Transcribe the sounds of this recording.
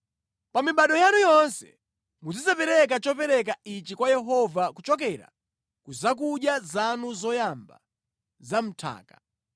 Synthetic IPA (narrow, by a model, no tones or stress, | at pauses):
pamiɓaɗɔjanujɔnsɛ̰ | mud͡zizapɛɾɛk̬at͡ʃɔpɛɾɛk̬ait͡ʃikwajɛɦɔvakut͡ʃɔk̬ɛɾa̰ | kuzak̬uɗjazanuzɔjamba̰ | zam̩tʰa̰ːkḁ